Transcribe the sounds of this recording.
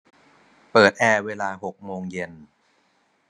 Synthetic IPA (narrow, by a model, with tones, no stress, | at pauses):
pɤː˨˩t̪̚ʔɛː˧weː˧laː˧ɦo˨˩k̚moː˧ŋje˧n